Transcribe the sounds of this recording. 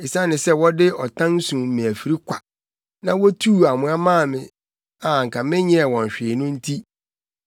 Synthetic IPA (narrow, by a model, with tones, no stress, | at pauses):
ɪ˨sã˦nɪ̃˨sɛ˦wɔ˦dɪ˦ɔ˨tʰã˦n˦sũ˨m̩˨mɪ̃˨æ˨fi˨ɾi˦kʷʰa˨ | nã˦wɔ˦tʰuː˦˨a˨mʊ̃˨˦a˦mã˦˨mɪ̃˨ | a˨ŋ̩˨kʰa˨mɪ̃˦ɲɪ̃˦ɛ˨wɔ̃˨ɲ˨ɕᶣɪ˨nʊ̃˦n̩˦tʰi˦